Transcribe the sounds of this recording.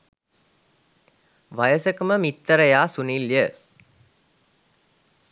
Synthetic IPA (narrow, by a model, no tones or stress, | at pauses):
ʋajɐsəkuməmit̪ːɐɾɐjaːsuniljə